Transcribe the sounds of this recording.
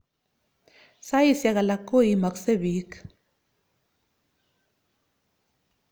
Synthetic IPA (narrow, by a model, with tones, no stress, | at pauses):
sa˦ji˨sja˦ka˨la˨kʼːo˦jima˨kse˦bi˦k